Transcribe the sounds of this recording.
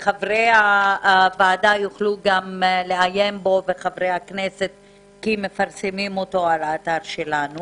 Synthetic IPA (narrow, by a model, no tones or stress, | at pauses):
χavʁejavaːdajuχluɡamleajembo̞veχavʁejakneset | kime̞faʁsemimo̞to̞alaːtaʁʃelanu